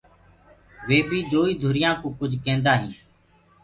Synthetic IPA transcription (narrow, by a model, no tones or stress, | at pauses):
ʋeːbiːd̪oːiːd̪ʱʊɾɪjãːkõːkʊd͡ʒʱkẽːnd̪aːɦĩː